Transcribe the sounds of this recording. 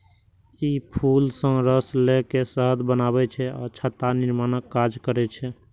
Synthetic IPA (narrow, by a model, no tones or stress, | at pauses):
ipʰulsə̃ɾəslekesəɦət̪bənabɛt͡ʃʰɛɔːɾt͡ʃʰət̪anɪɾmanəkːad͡ʒkəɾɛt͡ʃʰɛ